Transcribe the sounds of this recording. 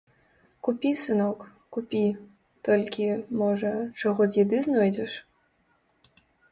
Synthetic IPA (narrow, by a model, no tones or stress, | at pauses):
kupʲisɨnɔkkupʲi | t̪ɔlʲkʲimɔʐɐt͡ʂɔɣɔzʲjid̪ɨznɔjd͡zʲɛʂ